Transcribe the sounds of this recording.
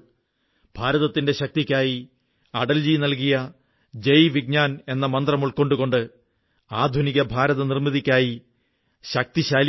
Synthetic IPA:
b̥ʱaːɾɐðɐt̪ːinde̞ɕɐk̚t̪ikʲːaːji | ɐɽɐld͡ʑinɐlkijɐ | d͡ʑejʋiɡ̚ɲaːne̞nːɐmɐnd̪rɐmuɭko̞ɳɖuɣo̞ɳɖɨ | aːd̪ʱuniɣɐbʱaːɾɐðɐnirmiðikʲːaːji | ɕɐk̚t̪iɕaːl

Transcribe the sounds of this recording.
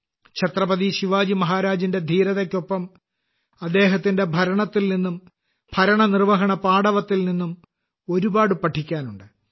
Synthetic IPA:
kɕʰɐt̪rɐbɐðiɕiʋaːd͡ʑimɐɦaːɾaːd͡ʑinde̞d̪ʱiːɾɐðekʲːo̞pːɐm | ɐd̪ːe̞ːɦɐt̪ːinde̞bʱɐɾɐɳɐt̪ːilninːum | bʰʱɐɾɐɳɐnirʋɐɦɐɳɐpaːɽɐʋɐt̪ːilninːum | o̞ɾubaːɽɨpɐʈʰːikʲːaːnuɳɖɨ

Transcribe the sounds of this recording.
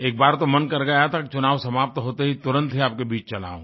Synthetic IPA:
eːk̚baːɾt̪omɐnkɐɾɡɐjat̪ʰakit͡ʃʊnaːʋsɐmaːp̚t̪ɦoːt̪eɦit̪ʊɾə̃nt̪ɦeaːp̚kebiːt͡ʃt͡ʃɐla̰ːõ̰ː

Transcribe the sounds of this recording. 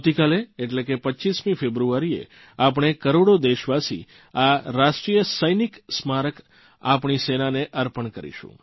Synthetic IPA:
t̪ikaleːʈlekepəːt͡ʃismĩfʰebɾuaɾiḛ | ap̬ɳ̃ekəɾoɽod̪eʃʋasḭ | aɾaʃʈɾijəsəjniksmaɾək | apɳ̃isenaneʔəɾpəɳkəɾḭʃṵ̃

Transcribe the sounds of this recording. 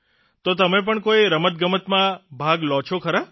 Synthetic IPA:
t̪ot̪əmẽp̬əɳkoiɾəmət̪̚ɡəmət̪mãbʱaɡlɔ̃t͡ʃʰokʰəɾa

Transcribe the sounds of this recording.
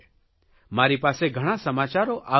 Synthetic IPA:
maɾipaseɡʱəɽ̃asəmat͡ʃaɾoʔa

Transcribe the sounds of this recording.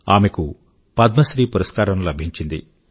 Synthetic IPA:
aːmeku | pɐd̪mɐʃɾiːpuɾɐskaːɾɐnlɐbʱiɲt͡ʃind̪ḭ

